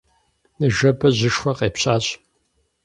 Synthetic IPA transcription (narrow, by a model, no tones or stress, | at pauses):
nɨʒɐbɐʑɨʂxʷɐqeːpɕʼaːɕ